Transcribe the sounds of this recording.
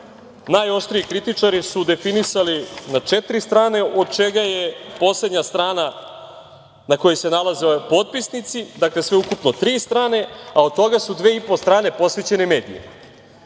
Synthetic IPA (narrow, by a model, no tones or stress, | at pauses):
najo̞ʃt̪ɾiikɾit̪it͡ʂaɾisud̪e̞finisalinat͡ʂet̪ɾist̪ɾaːne̞ʔo̞d̪̚t͡ʃe̞ɡajepo̞sle̞d̪ɲast̪ɾaːna | nako̞jese̞nalazepo̞t̪̚pisnit̪sid̪akle̞sʋeukupno̞t̪ɾiːst̪ɾaːne̞ao̞d̪̚t̪o̞ɡasud̪ʋe̞ipo̞st̪ɾaːne̞po̞sʋe̞t͡ɕe̞neme̞ːd̪ḭjḛ